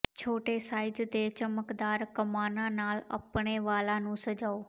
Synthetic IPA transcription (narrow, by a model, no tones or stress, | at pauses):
t͡ɕʰoːʈesaːɪd͡ʒt̪et͡ɕəməkd̪aːɾkɐmaːnanaːlɐ̰pɽ̃eʋaːlanũsɐd͡ʑʱaːoː